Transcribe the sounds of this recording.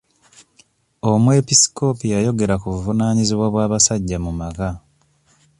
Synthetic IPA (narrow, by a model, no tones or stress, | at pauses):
o̞mwe̞pisi̥ko̞pijajo̞ɡe̞ɾakuβuvunaːɲiziβwaβwaːβasaɟːamumaka